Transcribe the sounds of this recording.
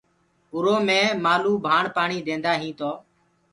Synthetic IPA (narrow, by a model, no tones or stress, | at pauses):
ʊɾoːmẽːmaːluːbʱaːɳpaːɳiːd̪ẽːnd̪aːɦĩːt̪oː